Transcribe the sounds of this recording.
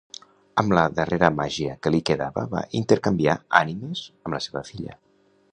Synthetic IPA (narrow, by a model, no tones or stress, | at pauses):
əmləðəreɾəmaʒiəkəlikəðaβəβa̰ʔint̪əɾkəmbiaanimez̥əmləseβəfiʎə̰